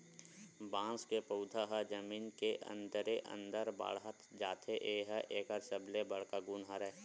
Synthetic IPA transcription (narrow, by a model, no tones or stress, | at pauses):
bãːskepəʊd̪ʱaɦad͡ʒəmiːnkeʔə̰̃nd̪əɾeʔə̰̃nd̪əɾba̰ːɽɦət̪d͡ʒaːt̪ʰeʔeːɦəʔeːkaɾsəblebəɽkaɡunɦaɾɛː